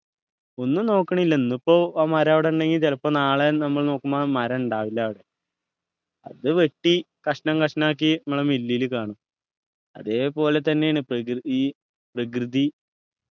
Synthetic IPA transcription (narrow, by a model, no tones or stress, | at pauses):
o̞nːuno̞ːkːɐɳɐmilːenːupːo̞ːaːmɐɾaːʋiɽeuɳɖeŋɡilt̪elɐpːɐnaːɭenɐmːɐɭno̞ːkːumːamɐɾɐuɳɖaːʋilːaːʋiɽe | ɐðɨʋe̞ʈːi | kɐʂnɐŋkɐʂnɐaːk̬ːiɐmːɐɭɐmilːijːlɨkaːɳum | ɐ̰ðe̞ːpo̞ːle̞t̪̬ɐnːe̞jaːɳɨ | prɐk̬rɨði